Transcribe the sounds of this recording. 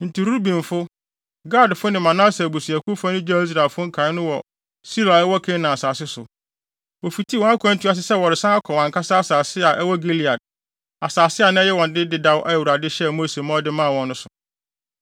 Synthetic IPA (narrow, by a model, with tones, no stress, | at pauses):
n̩˨tʰi˨ɾu˦ɾbĩ˨n˨fʊ˦ | ɡa˦˨dfʊ˦nɪ̃˨mã˨nã˦se˨bu˨si˨æ˨kʰu˦fa˦nʊ̃˦d͡ʑᶣa˦i˦s̬ɾa˨lfʊ̃˦ŋ̩˦kʰã˨ɪ˦nʊ̃˦wɔ˨ | si˦la˨˦wɔ˦kʰẽ˦nã˨a˨saː˨sɪ˦sʊ̰˨ | wo˨fi˨tʰi˦wɔ̃˨˦a˦kʰʷã˦n̩˦tʰu˦a˦s̬ɪ˦sɛ˦wɔ˨ɾɪ˨sã˦a˦kʰɔ˨wã˨ŋ˨kʰa˦sa˦a˦saː˨sɪ˦a˨ʔɛ˦wɔ˦ɡe˦li˨a˨d̚ | a˨saː˨sɪ˦a˨nʊ̃˦ɛ˦jɛ˦wɔ̃˨n˨dɪ˦dɪ˦da˦wʔa˦˨wu˨ɾa˨dɪ˦ɕɛ˦˨mo˦se˨mã˦ɔ˦dɪ˦mã˦˨wɔ̃˨nːʊ̃˦sʊ˨